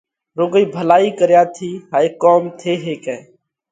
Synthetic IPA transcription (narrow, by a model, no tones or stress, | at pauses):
ɾoːɡəiːbʱəlaːiːkəɾjaːt̪ʰiːɦaːeːkoːmt̪ʰeːɦeːkɛ̃ː